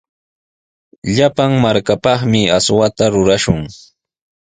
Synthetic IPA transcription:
ʎapaŋmaɾkapɑχmɪaswat̪aɾʊɾaʃʊŋ

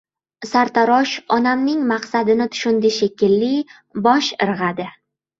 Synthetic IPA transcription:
saɾt̪ʰaɾɒʃɒnamnɪŋmaqsad̪ɪnɪt̪ʰʊ̥ʃʊnd̪ɪʃekʲʰɪlːɪ | bɒʃɪɾʁad̪ɪ

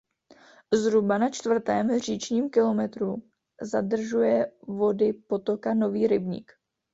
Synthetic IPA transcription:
zɾubanat͡ʃt̪v̩t̪ɛːmr̝iːt͡ʃɲiːmkɪlo̞mɛt̪ɾu | zadr̩ʒujɛvo̞dɪpo̞t̪o̞kano̞viːɾɪbɲḭk

